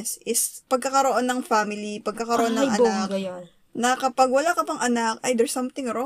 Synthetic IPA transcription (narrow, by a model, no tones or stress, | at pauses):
sʔɪspɐɡ̚kɐkɐɾo̞ʔo̞nːɐŋfamɪlipɐɡ̚kɐkɐɾoʔonɐʔɐakɡɐjn | nɐkɐpɐɡwɐlakɐpɐŋʔɐnak̚ʔɐjd̪ɛɹsɐ̃mt̪ɪ̃ŋɾo